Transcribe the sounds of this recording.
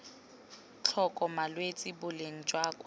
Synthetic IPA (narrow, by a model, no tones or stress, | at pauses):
t͡ɬʰɔkʼɔmalwet͡sʼɪbʊleŋ̩d͡ʒʼwaːkʼwa